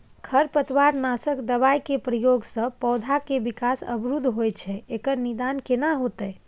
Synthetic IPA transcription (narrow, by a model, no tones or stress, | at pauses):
kʰəɾpət̪ʋaɾnasəkd̪əβajkepɾəjoɡsə̃pɔʊd̪ʱakebikasə̰bɾud̪ʱɦojt͡ʃʰɛekəɾnid̪ankenaɦot̪əj